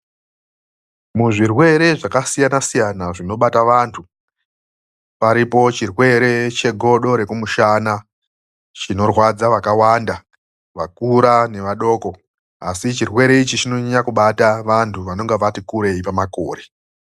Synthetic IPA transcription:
muʐirwe̞ɾe̞ʐakasijanasijanaʐino̞ɓataʋantʰu | paɾipo̞t͡ʃirwe̞ɾe̞t͡ʃe̞ɡʱo̞ɗo̞ɾe̞kumuʃaːna | t͡ʃino̞rwad͡zaʋakawanda | ʋakuɾane̞ʋaɗo̞ːko | asit͡ʃirwe̞ɾe̞it͡ʃit͡ʃino̞ɲakuɓataʋantʰuʋano̞ŋɡeʋatikuɾe̞ipamako̞̰ːre̞

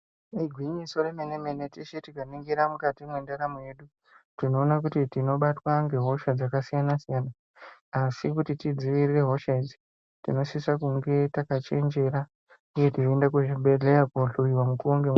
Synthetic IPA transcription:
iɡʱwiɲiso̞ɾemenemenetiʃetikaniŋɡiɾamukatimwendaɾamuje̞ɗu | tino̞ːnak̬utitino̞ɓatwaŋɡe̞ɦo̞ʃad͡zakasijanasijanaː | sik̬utitid͡ziʋirire̞ɦo̞ʃed͡zi | tino̞sisakuŋɡe̞takat͡ʃe̞nd͡ʒe̞ɾa | uje̞tiendakeʐiɓʱeɮejapoɮuiwamukuoŋɡe

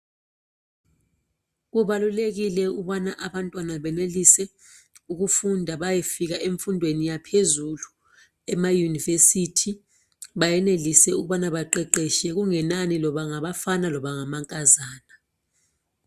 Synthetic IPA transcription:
k̬uɓalulek̬ilɛuɓanaʔaɓantʼwanaɓɛnelisɛ | uk̬ufundʱaɓajefik̬aʔeɱfundʱwenijapʰezulu | ɛmajunivesitʰi | ɓajɛnelisɛuk̬uɓanaɓaǃɛǃɛʃɛk̬uŋɛnanilɔɓaŋaɓafanalɔɓaŋamaŋkʼazaːna

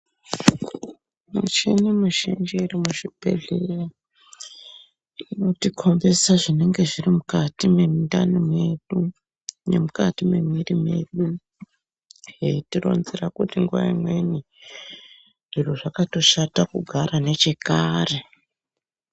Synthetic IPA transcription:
mṵt͡ʃenimuʃḭnd͡ʒiirimuʐib̥ʱe̞̰ɮera | ino̞tikʰo̞mbe̞saʐine̞ŋɡe̞ʐirimukatimemidanomeɗu | ne̞̰mukatime̞mirime̞̰ɗu | jeitiro̞̰nzirakutiŋɡuʋa̰imwe̞ni | ʐ̥iroʐakato̞ʃatakuɡʱaɾane̞t͡ʃe̞kaːre̞

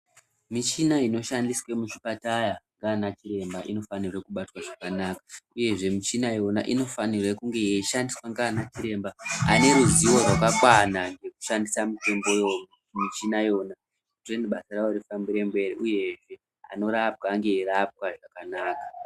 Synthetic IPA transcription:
mit͡ʃinaino̞ʃandiswe̞muʃipatajaŋɡaːnat͡ʃiɾe̞mbaʔino̞fanirakuɓatwaʐakanakḁuje̞ʐe̞mit͡ʃinajo̞na̰ʔino̞fanirekuŋɡe̞ʃandiswaŋɡaːnat͡ʃiɾe̞mbaa̰ne̞ɾuziwo̞rwakakwanaŋɡe̞ku̥ʃandisamite̞mbo̞jo̞n | mit͡ʃinajo̞na | utreniɓasarawoɾifambiɾe̞mbe̞ɾiʔuje̞ʐe̞ | a̰no̞ɾap̚kaːŋɡe̞irap̚kaʐakanaːka

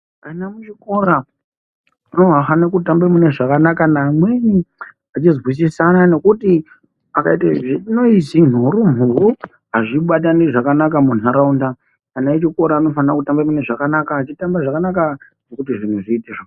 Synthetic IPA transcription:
kanamut͡ʃiko̞ɾa | ano̞afanakutambemune̞ʐakanakanaːmwe̞ɲi | at͡ʃizɣwis̬isanano̞kuti | akaitaʐino̞isin̤uɾum̤uru | ɦaʐiɓataneʐakanakamunaɾaunda | anaet͡ʃiko̞ɾaːno̞fanrakutambemune̞ʐakanakaːt͡ʃitambaʐakanaka | nokutiʐin̤uʐiːteʐo

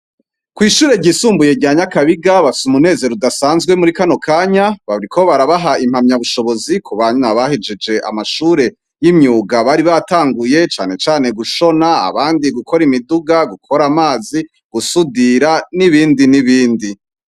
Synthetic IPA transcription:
kwiːʃuːɾe̞ɟisuːmbujeɟaːɲakaβiɡaβafi̥sumune̞ːze̞ɾudasaːnzɡwe̞muɾikano̞kʰaːɲaβaβɾikʰo̞βaɾaβaɦaim̥hamɲaβuʃo̞βo̞zikʰuβaɲnaβahid͡ʒed͡ʒe̞ʔa̰maʃuːɾe̞ | jimɲuːɡaβaɾiβataːŋɡuje̞t͡ʃa̰ːne̞t͡ʃaːne̞ɡuʃo̞naa̰βaːndiɡukʰo̞ɾimiduɡaɡukʰoɾamaːzi | ɡ̥usudiɾaniβiːndiniβiːndi

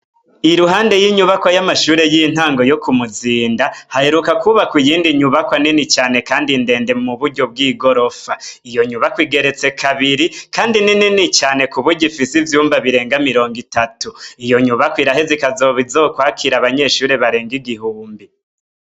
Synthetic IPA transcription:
iɾuɦaːnde̞jiɲuβakwajamaʃuːɾe̞jin̥haːŋɡo̞jokumuziːndahahe̞ɾukakuβakwijiːndiɲuβakwaninit͡ʃaːne̞kaːndinde̞ːnde̞muβuɾɟo̞b̚ɡiːɡo̞ɾo̞faijo̞ɲuβakwiːɡe̞ɾe̞t͡se̞kʰaβiɾikaːndinininit͡ʃaːne̞kuβuɟifisivjuːmvaβiɾe̞ːŋɡamiɾo̞ːŋɡitatuijo̞ɲuβakwiɾahezikazo̞βizo̞ːkwaːkʰiɾaβaɲe̞ʃuːɾe̞βaɾe̞ːŋɡiɡihuːmbi

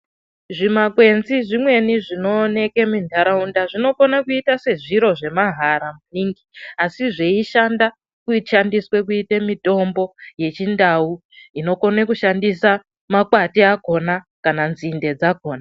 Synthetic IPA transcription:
ʐimakwe̞nziʐimwe̞niʐino̞ne̞ke̞mindʱaɾaundaʐino̞konakuitase̞ʐiɾo̞ʐe̞maɦaɾamuniːŋɡiasiʐeiʃanda | kuiʃandiswe̞k̬uitemito̞mbo̞je̞t͡ʃindau | ino̞konekuʃandisa | makwatiako̞na | kananzinde̞d͡zako̞ːna

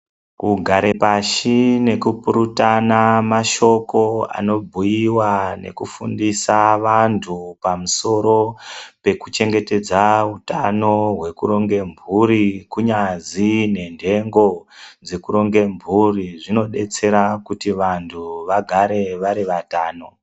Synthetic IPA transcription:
kuɡʱaɾepaʃine̞kupuɾutanamaʃo̞ko̞a̰no̞bʱujiwane̞̰kufṵndisaʋantʰupamuso̞ɾo̞pe̞kut͡ʃe̞ŋɡe̞te̞d͡zautano̞ɦwe̞kuɾo̞ŋɡe̞mbʱuɾikuɲad͡zine̞ndʱe̞ŋɡo̞ | d͡zekuɾo̞ŋɡe̞mbʱuriʐino̞ɗe̞t͡se̞ɾakutiʋantʰuʋaɡʱaɾe̞ʋaɾiʋataːno̞

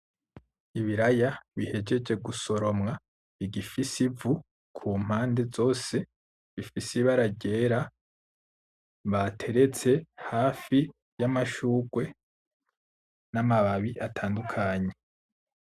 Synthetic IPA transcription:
iβiɾajaβihe̞d͡ʒe̞d͡ʒe̞ɡuso̞ɾo̞mŋa | iɡifisivu | kʰuːm̥haːnde̞zo̞ːse̞ | βifisiβaɾaɟe̞ːɾa | βatʰe̞ɾe̞t͡se̞haːfi | jamaʃuːɡwe̞ | namaβaβiʔatʰaːndukʰaɲe̞

